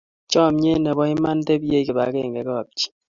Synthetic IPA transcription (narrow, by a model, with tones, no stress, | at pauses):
t͡ʃɔ˦˨mɲe˦nɛ˨bɔ˦ɪ˦ma˦n˦te˦be˦ke˨ba˨˦kḛ˦˨ŋɡɛ˨kɔ˦˨p̚t͡ʃi̥˦